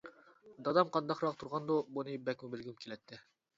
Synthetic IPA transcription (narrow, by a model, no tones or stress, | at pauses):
d̪ɑd̪ɑmqʰɑnd̪ɑqɾɑqt̪ʰuɾʁɑnd̪ubunɨbɛkʲmubɪlɡʲimkʲʰelɛt̪ʰːɪ